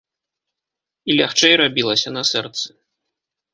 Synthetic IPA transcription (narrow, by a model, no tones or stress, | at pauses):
ilʲaxt͡ʂɛjrabʲilˠɐsʲɐnɐsɛrt̪sɨ̥